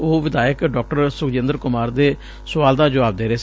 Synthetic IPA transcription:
oːʋɪd̪aːjəkɖɔːk̚ʈəɾsʊkd͡ʒɪ̃nd̪əɾkʊmaːɾd̪eː | sʊʋaːld̪aːd͡ʒəʋaːb̚d̪eːɾeːs

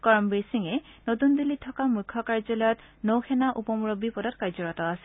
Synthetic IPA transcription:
kɔɹɔmbesiŋɛnotund̪ilitʰːɔkamukʰːɔkaɹzɔlɔjɔt | nowxʰɛnaʔupɔmuɹobipɔdɔtkaɹzɔɹɔtɔasɛ̥

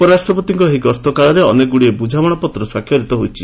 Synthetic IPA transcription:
pɔɾasʈɾɔpɔt̪iŋkɔɦiɡɔst̪ɔkaɭɔɾeɔneɡuɽiebud͡ʒʱawɔɽɔpɔt̪ɾɔswakʰjɔɾit̪ɔɦojt͡ʃʰi̥

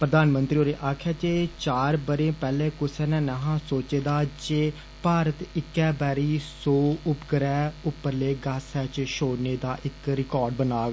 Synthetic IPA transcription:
pɾəd̪aːnmənt̪ɾioːɾeːʔaːkʰjaːt͡ʃeːt͡ʃaːɾbəɾẽːpɛːlẽːkʊsɛːnɛːnəɦãːsoːt͡ʃeːd̪aːd͡ʒeː | paːɾət̪ɪkːɛːbɛːɾiːsoːʊpɡəɾɛːʊpːəɾleːɡasɛːt͡ʃʃoːneːd̪aːʔɪkɾɪkɔːɾɖbənaːɡ

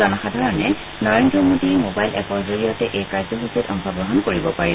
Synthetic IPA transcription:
ɔnɔxadʱaɹɔnɛ | nɔɹendɹɔmodimobajlʔɛpɔɹzolijɔtɛʔejkaɹzɔɦusutɔ̰mbʱɔbɹɔɦɔnkoɹibɔpaɹi

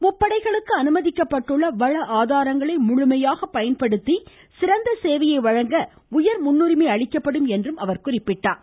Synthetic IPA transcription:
mʊpːɐɽɐɪɣɐɭɯkːɯɐnɯmɐðɪkːɐpːɐʈːɯɭːɐʋɐɻɐʔaːðaːɾɐŋɡɐɭɐɪmʊɻʊmɐjaːɣɐpɐjɐnpɐɽɯt̪ːi | sɪɾɐnd̪ɐseːʋɐjɐɪʋɐɻɐŋɡɐ | ʊjɐɾmʊnːʊrɪmeːɐɭɪkːɐpːɐɽɯmɛndrɯmɐʋɐɾkʊrɪpːɪʈːaːn

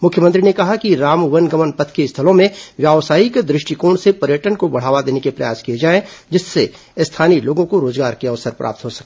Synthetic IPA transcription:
mʊkʰjəmə̃nt̪ɾinekɐɦakiɾaːmʋənɡɐmənpɐt̪ʰkeɪst̪ʰɐlõmẽʋjaːʋsaːikd̪ɾɪʃʈikoːɳ̃sepɐɾjəʈənkobɐɽ̤aːʋad̪eːnekepɾɐja̰ːskijed͡ʒaːẽd͡ʒɪsːe | ɪst̪ʰaːniloːɡõkoɾoːzɡaːɾkiɐʋsəɾpɾʔa̰ːp̚t̪ɦosɐkeː

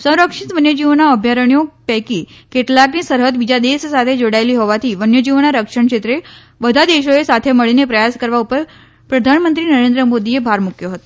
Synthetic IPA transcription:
sə̃w̃ɾəkʂit̪ʋənjəd͡ʑiʋnaəbʱjaɾəɳijopɛkiːkeʈ̪lakniːsəɾɦəd̪bid͡ʑad̪essat̪ʰed͡ʒoɽajliːɦoʋat̪ʰiːʋənjəd͡ʑiʋnaɾəkʂəɳkʂet̪ɾe | ʋəd̪ʱad̪eɕoesat̪ʰeməɭinepɾəjaskəɾʋaupəɾ | pɾəd̪ʱanmənt̪ɾiːnəɾend̪ɾəmod̪ijebʱaɾmukʰjoɦət̪o

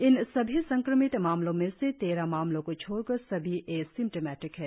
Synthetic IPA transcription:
ɪnsɐbʱisɐ̃ŋkɾəmɪt̪maːmlõmẽset̪eːɾamaːmlõkot͡ʃʰoːɽkɐɾsɐbʱiʔeːksɪ̃mʈemɛːʈɪkɦɛː

